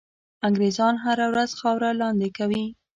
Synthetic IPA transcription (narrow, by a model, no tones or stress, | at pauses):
aŋɡɾezɑnɦaɾawɾazxɑwɾalɑnd̪ɪkawi